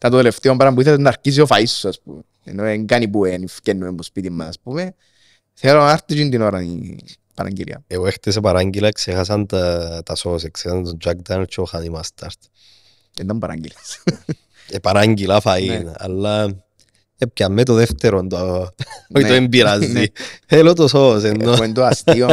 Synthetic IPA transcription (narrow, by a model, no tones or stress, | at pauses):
t̪ant̪ot̪eleft̪iambaɾambuiθand̪aɾkis̬iofaisːoaspṵmḛ | noeŋɡanip̬uenifkenːuembuspit̪imːaaspume | θeɾoaɾt̪it͡ʃind̪inoɾanḭ | pa̰ɾa̰ŋɡḭlja̰eoext̪es̬epaɾaŋɡilaksexas̬ant̪at̪asos̬ekseand̪od͡ʒak̚d̪anet͡ʃoxanimast̪aɾt̪ | end̪ambaɾa̰ŋɡilas | epaɾaŋɡilafaina̰lːa | ep̚keamːet̪oðeft̪eɾond̪oa | ioembiɾazielot̪osos̬enːoend̪oastio